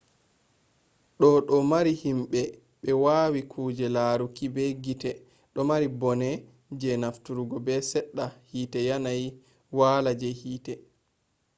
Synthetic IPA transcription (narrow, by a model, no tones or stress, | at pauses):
ɗɔɗɔmaɾihimɓɛ | ɓɛwaːwikʰuːd͡ʒɛlaɾukibɛɡitɛ | ɗɔmaɾibɔnɛ | d͡ʒɛnaftuɾuɡɔbɛsɛɗːahiːtɛjanaj | waːlad͡ʒɛhiːtɛ